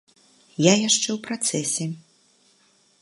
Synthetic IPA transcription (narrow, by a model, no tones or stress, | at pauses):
jajaʂt͡ʂɛwpɾat̪sɛsʲɛ